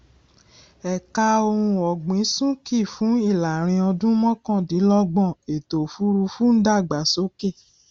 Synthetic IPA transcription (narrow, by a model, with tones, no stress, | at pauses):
ɛ˨ka˧o˧ɾ̃ũ˧ɔ˨ɡ͡bĩ˨˦sũ˦ki˦˨fũ˨˦i˦˨la˨ɾ̃ĩ˧ɔ˧dũ˦mɔ̃˦kɔ̃˦˨dĩ˨˦lɔ˦ɡ͡bɔ̃˦˨e˨to˨fu˨˦ɾu˧fu˦n̩˦da˦˨ɡ͡ba˨˦so˨˦ke˦˨